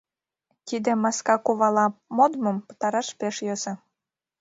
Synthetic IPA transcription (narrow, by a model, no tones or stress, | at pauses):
t̪id̪ĕmɑskɑkuβɑlɑmod̪mə̆mpə̥t̪ɑɾɑʃpeʃjøze